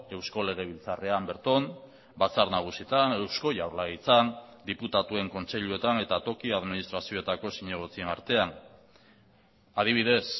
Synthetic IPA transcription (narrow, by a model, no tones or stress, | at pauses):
e̞wsko̞le̞ɣ̞e̞β̞ilt͡sare̞ambe̞ɾt̪on | bat͡saɾnaɣ̞usit̪ane̞wsko̞ʝawɾlaɣit͡sand̪iput̪at̪ue̞ŋko̞nt͡se̞ʎue̞t̪ane̞t̪at̪o̞kiaðminist̪ɾasio̞et̪ako̞siɲe̞ɣ̞o̞t͡sie̞naɾt̪e̞an | aðiβ̞iðe̞s